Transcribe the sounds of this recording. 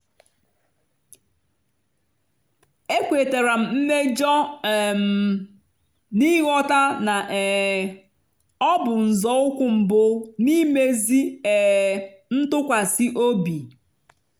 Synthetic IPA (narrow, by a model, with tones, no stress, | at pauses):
e˦kʷe˨te˨ɾa˨m̩˨m̩˦me˦d͡ʒɔ˦˨m˨ | ni˦ɣɔ˦ta˦na˨ʔ | ɔ˦bʊ˨n̩˨zɔ˨˦ʊ˦kʷʊ˨m̩˨bʊ˦ni˦me˦zi˦ɛ˨ | n̩˦tʊ˦kʷa˨si˦ʔo˦bi˨